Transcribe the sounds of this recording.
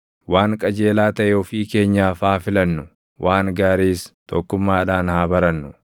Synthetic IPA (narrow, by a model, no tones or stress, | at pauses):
waːŋkʼɐd͡ʒe̞ːlaːt̪ɐʔɛɔfiːke̞ːɲːaːfaːfɪlɐnːʊ | wʔaːŋɡaːɾiːst̪ɔkːʊmːaːᶑaːnhaːbɐɾɐnːʊ